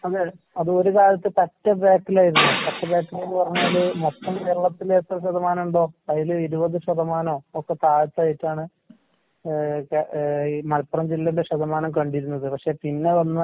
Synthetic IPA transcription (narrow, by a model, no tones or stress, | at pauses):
ɐðɨ | ɐðɨoɾukaːɾjɐt̪ːɨkɐtːɐbjaːkːilaːjiɾunːukɐtːɐbjaːkːilaːjunːɨpɐrɐɲːaːlɨmot̪ːɐmʋeːrɭɐt̪ːilet̪ːɐɕɐd̪ɐmaːnɐmuɳɖo̞ːɐjilɨiɾubɐðɨɕɐd̪ɐmaːnoːokːet̪aːjɐt̪ːaːjiʈːaːɳɨ | mɐlpɐrɐmd͡ʑilːɐndeʂɐd̪ɐmaːnɐmkɐɳɖiɾunːɐðɨpɐkʂe̞pinːe̞ʋɐnːɐ